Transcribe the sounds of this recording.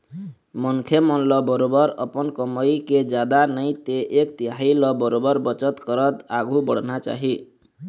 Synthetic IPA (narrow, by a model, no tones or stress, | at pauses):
mɔŋkʰemɔnlɔbɔɾobɔɾʌpɔnkɔməjked͡ʒad̪anʌjt̪eʔːkt̪iailɔbɔɾobɔɾbʌt͡ʃʌt̪kɔɾʌt̪aɡʱubɔɽ̤nat͡ʃa̰ɦi